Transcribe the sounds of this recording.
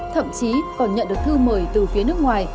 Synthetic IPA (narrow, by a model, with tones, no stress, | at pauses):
t̪ʰə̰˧˨mt͡ɕi˨˦kɔ˨˩nɲə̰˧˨nɗək̚t̪ʰɨ˧məː˧˩jt̪ɨ˨˩fi˨˦nɨ˦˥ək̚ŋwaː˨˩j